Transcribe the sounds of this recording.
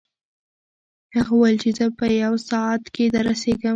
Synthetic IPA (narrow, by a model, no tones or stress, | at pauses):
haɣawəlt͡ʃezəpəjawsɑat̪ked̪əɾaseɡə